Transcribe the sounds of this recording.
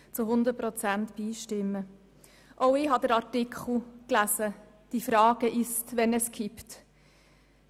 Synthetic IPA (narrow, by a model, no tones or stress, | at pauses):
t͡sʊɦʊnd̪əɾ̚pɾɔt͡sæntb̥iːʃtɪmːə | ʔɔʊɪɦɑd̪əɾɑɾtɪkʰχl̩ˠklæsə | d̥ifɾɑːɡ̥əʔɪstʋɛnɛskʰipt